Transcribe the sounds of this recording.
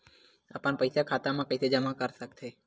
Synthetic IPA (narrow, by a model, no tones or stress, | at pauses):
a̰pəɳpəjsakʰat̪amãkəjsed͡ʒəmakəɾʃəkt̪ʰe